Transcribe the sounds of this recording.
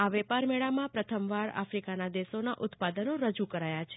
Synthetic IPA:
aʋɛpaɾmɛɭamãpɾət̪ʰəmʋaɭa̰fɾikanad̪esonaʔʊt̪pad̪ənoɾəd͡ʒukəɾajat͡ʃʰe̥

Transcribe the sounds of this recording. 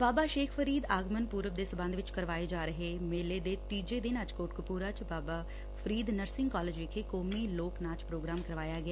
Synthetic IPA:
baːbaːʃeːkʰfʰəɾiːd̪aːɡmənpuːɾəb̚d̪eːsəbə̃nd̪ʋɪt͡ʃkəɾʋaːeːd͡ʒaːɾəɦeːmeːleːd̪eːt̪iːd͡ʒeːd̪ɪnət͡ʃkoːʈkəpuːɾaːt͡ʃbaːbaː | pʰəɾiːd̪nəɾsɪ̃ŋɡkɔːled͡ʒʋɪkʰeːkoːmiːloːknaːt͡ʃpɾoːɡɾaːmkəɾʋaːjaːɡɪaː

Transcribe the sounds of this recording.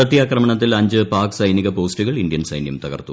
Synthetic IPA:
ɐt̪ːjaːkrɐmɐɳɐt̪̬ːilɐɲd͡ʑɨpaːksɐjniɣɐpo̞ːstuɣɐɭindjɐnsɐjnjɐmt̪ɐɣɐ̰rt̪ːu

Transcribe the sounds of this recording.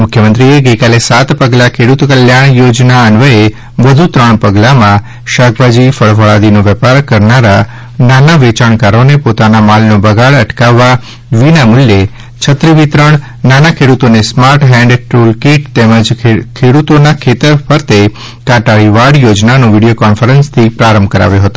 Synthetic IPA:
mʊkʰjəmənt̪ɾieɡəjkalesat̪pəɡlakʰeɽut̪kəljaɽ̃jod͡ʒnaənʋəe | ʋəd̪ʱut̪ɾəɳ̃pəɡlamã | ʃakʰʋad͡ʒifəɭfəɭad̪inoʋepaɾkəɾnaɾa | nanaʋet͡ʃaɳ̃kaɾonepot̪anamalnobəɡʱaɭəʈkaʋːa | ʋinamʊlje | t͡ʃʰət̪ɾiʋit̪ɾəɳ̃ | nanakʰeɽut̪onesmaɾʈɦɛ̃ɳɖʈɾulkiʈt̪eməd͡ʒkʰeɽut̪onakʰet̪əɾpəɾt̪e | kaʈaɭiʋaɽjod͡ʒnanũʋiɽijokɔnfəɾənst̪ʰipɾaɾəmbʱkəɾa̰ʋjoɦət̪o

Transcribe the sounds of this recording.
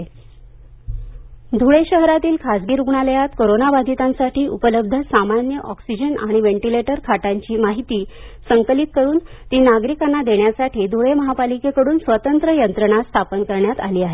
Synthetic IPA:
d̪ʱuɭeɕəɦɾat̪iːlkʰasɡiːɾuɡɳaləjat̪koɾonabad̪ʱit̪ãnsaʈiːʔupələb̚d̪ʱəsamanjəʔɔksid͡ʑəna̰ɽ̃iʋeɳʈileʈəɾkʰaʈaɲt͡ɕiːmaɦit̪iːsəŋkəlit̪̚kəɾuːnt̪iːnaɡɾikanːad̪eɳjasaʈiːd̪ʱuɭeməɦapalikekəɽuːnsʋət̪ənt̪ɾəjənt̪ɾəɳ̃ast̪ʰapənkəɾɳjat̪a̰liːaɦe

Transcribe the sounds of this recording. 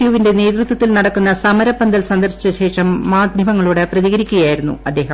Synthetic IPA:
juːʋinde̞ne̞ːd̪rut̪wɐt̪ːilnɐɽɐkːunːɐsɐmɐɾɐpːɐnd̪ɐlsɐnd̪ɐrɕi̥t͡ɕːɐɕe̞ːʂɐmːaːd̪ʱjʱɐʋɐŋːɐɭuːɽɨprɐðiɣɐɾikʲːuɣɐjaːjiɾunːṵɐd̪ːe̞ːɦɐm

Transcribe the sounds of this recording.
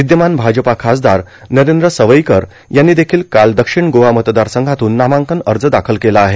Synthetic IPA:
ʋid̪jəmanbʱad͡ʑəpakʰasd̪aɾ | nəɾend̪ɾəsəʋəjkəɾ | janːiːd̪ekʰiːlkald̪əkʂiɳɡoʋamət̪d̪aɾsəŋɡʱat̪uːnːamãŋkənəɾd͡zəd̪akʰəlkelaːɦe

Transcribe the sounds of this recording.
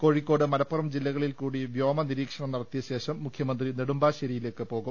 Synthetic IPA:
ko̞ɻikːo̞ːɽɨmɐlɐpːurɐmd͡ʑilːɐɣɐɭilkuːɽiʋjo̞ːmɐniɾiːkʂɐɳɐmnɐɽɐt̪ːijɐɕe̞ːɕɐmːukʰjɐmɐnd̪rineɽumbaːɕɐɾijile̞ːkːɨpo̞ːɣum

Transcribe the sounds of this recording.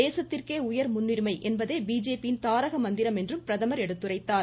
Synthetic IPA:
eːsɐt̪ːɪrkeːʊjɐɾmʊnːɪɾmɐɪʔɛnbɐðeːbiːd͡ʒeːpijɪnt̪aːɾɐɣɐmɐnd̪ɪɾɐmɛndrɯmpɪɾɐðɐmɐɾɛɽɯt̪ːɯrɐɪt̪ːaː

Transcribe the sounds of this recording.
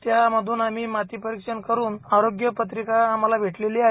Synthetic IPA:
t̪jaməd̪ʱuːnamiːmat̪iːpəɾikʂənkəɾuːnaɾoɡjəpət̪ɾikaːmalabʱeʈleliːa

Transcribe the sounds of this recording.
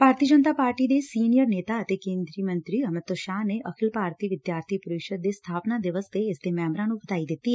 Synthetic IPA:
paːɾt̪iːd͡ʒənt̪aːpaːɾʈiːd̪eːsiːnijəɾneːt̪aːət̪eːkẽːnd̪ɾiːmə̃nt̪ɾiːəmɪt̪ːoʃaːneːʔəkʰɪlpaːɾt̪ʰiːʋɪd̪jaːɾt̪ʰiːpʊɾɪkʃəd̪̚d̪eːst̪ʰaːpnaːd̪ɪʋəst̪eɪsd̪eːmɛːmɾãːnũːbət̪aːid̪ɪt̪ːiːɛ

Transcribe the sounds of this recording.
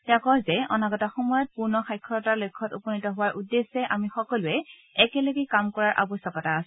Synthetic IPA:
takɔɹzɛɔ̰naɡɔtaxɔmɔjɔt̚puɹnɔxajkʰːɔɹɔtalojkʰːɔtupɔnitɔɦʊwaɹʔudːesɛʔamixɔkɔlʊɛ | ɛkɛleɡɛkamkɔɹaɹʔa̰bɔsɔkataːs

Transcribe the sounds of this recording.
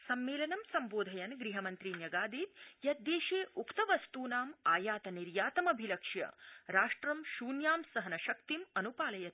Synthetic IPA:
sɐmːeːlɐnɐmsɐmboːd̪ʱɐjɐnɡɾiɦɐmɐnt̪ɾiːnjɐɡaːd̪iːt̪jɐt̪̚d̪eːʃeːʔukt̪ɐʋɐst̪uːnaːmaːjaːt̪ɐniɾjaːt̪ɐmɐbʱilɐkʂjɐ̰ɾaːʂʈɾɐmʃuːnjaːmsɐɦɐnɐʃɐkt̪imɐnupaːlɐjɐ

